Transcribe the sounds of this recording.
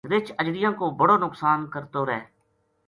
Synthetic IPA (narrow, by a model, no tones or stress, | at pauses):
ɾɪt͡ʃəd͡ʒɽɪjãːkoːbəɽoːnʊksaːnkəɾt̪oːɾɛː